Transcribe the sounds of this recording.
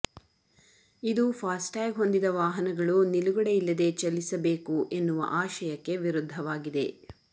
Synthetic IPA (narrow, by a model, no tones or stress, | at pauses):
id̪upʰaːsʈaːɡɦo̞nd̪id̪ɐʋaːɦɐnɐɡɐɭuniluɡɔɽeilːɐd̪e̞t͡ʃɐlːisɐbeːkuʔe̞nːuʋɐ̰ʔaːʃɐjɐkːe̞ʋiɾud̪ʱːɐʋaːɡid̪e̞̰